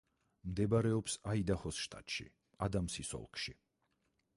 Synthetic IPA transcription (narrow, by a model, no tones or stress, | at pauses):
md̪ɛbaɾɛɔpsaid̪aχɔsʃt̪ʼa̰t̪ʼʃḭ | ad̪amsisɔ̰lˠkʰʃi